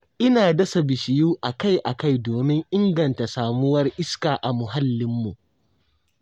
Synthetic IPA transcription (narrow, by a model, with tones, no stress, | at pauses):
ʔɪ˦naː˨dɐ˦sɐ˨bɪ˨ʃɪ˨juː˦ʔa˨ka˦jʔa˨ka˦˨jdoː˨mɪ˦ŋʔɪ˦ŋɡɐ˨nta˨saː˨mʊ˦wɐ˦rʔɪ˦skaː˨ʔa˨mʊ˨ɦa˦lːɪ˦mːu˨ʔ